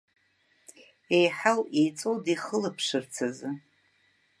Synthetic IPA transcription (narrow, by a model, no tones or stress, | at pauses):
ejħawejt͡sʼowdiχəlɨpʰʂɨrt͡sʰazɨ